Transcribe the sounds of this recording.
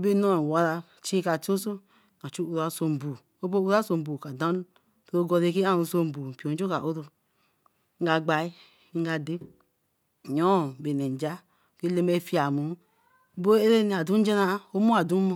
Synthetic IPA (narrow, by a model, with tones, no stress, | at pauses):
be˦no˦˨wa˨˦ɾa˧˨ | t͡ʃi˦ka˨to˦so˦˨ | na˨t͡ʃu˦u˦˨ɾa˨˦so˨m˨bu˨ | o˦bo˦u˦ɾa˦so˨m˨bu˨ka˨dã˦ | tɾo˦ɡo˧ɾe˦ke˦a˦nu˨˦so˦m˨bu˨pi˨o˨n˦d͡ʒo˦ka˨ʔo˦ɾo˦ | ŋ̩˦ɡa˨ɡ͡ba˨i˦ | ŋ̩˦ɡa˨de˦˨ | ɲo˦˨be˨ne˨n˨d͡ʒa˦˨ | ke˦le˦me˦˨fi˦a˨mu˨˦ | bo˦e˦ɾe˦ni˨a˨du˦n̩˦d͡ʒe˦na˦o˦mo˦a˨du˦mo˦